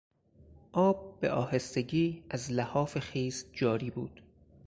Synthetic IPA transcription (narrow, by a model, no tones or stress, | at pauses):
ʔɒːb̚ːeʔɒːhest̪eɟiːæzlæhɒːfexiːzd͡ʒɒːɾiːbuːd̪̥